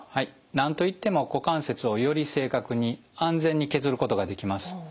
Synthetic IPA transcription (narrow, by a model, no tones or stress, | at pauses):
hai | nãnt̪o̞it̪ːe̞mo̞ko̞kãɰ̃se̞t͡sɨo̞jo̞ɾʲise̞ːkakɯ̟ɲ̟iãnd͡zẽ̞ɲ̟ːike̞zɨɾɯ̟ko̞t̪o̞ɡad̪e̞kʲimasɨ̥